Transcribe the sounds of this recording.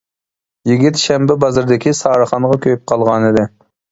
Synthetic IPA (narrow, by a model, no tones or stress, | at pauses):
jiɡʲit̪ʃɛmbɪbɑzɨɾd̪ɪkʲʰisɑːɾəχɑnʁɑkʲʰøjyp̚qʰɑlˠʁɑnɨd̪ɪ